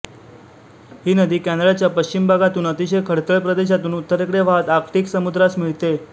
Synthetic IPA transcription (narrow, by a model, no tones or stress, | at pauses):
ɦiːnəd̪iːkæ̃nɾat͡ɕjapəɕt͡ɕimbʱaɡat̪uːnət̪iɕəjkʰəɽt̪əɭpɾəd̪eɕ̬at̪uːnut̪ːəɾekɽeʋat̪aɾkʈiːksəmud̪ɾasmiɭt̪e